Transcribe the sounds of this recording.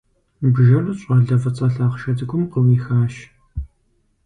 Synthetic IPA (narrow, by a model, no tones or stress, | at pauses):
bʒɐrɨɕʼɐɮɐfɐt͡sʼɐːɬaːqʃɐdɨxʷʰʊmqəwiːxaːʃ